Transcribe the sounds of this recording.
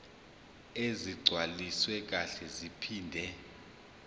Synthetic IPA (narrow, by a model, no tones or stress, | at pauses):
eziɡ͡ǀʱwaliswɛk̬ʼaɬɛzipʰiːndʱɛ